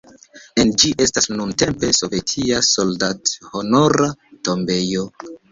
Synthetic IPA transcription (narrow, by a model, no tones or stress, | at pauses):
e̞nd͡ʒiʔe̞stasnunte̞mpe̞so̞vetʰiaso̞ldathono̞ɾato̞mbe̞jo